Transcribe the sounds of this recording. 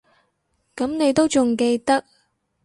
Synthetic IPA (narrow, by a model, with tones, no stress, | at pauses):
kɐ˨˥mne˨˧jt̪o˥wt͡sʊ˨˩ŋke˧jt̪ɐ˥k̚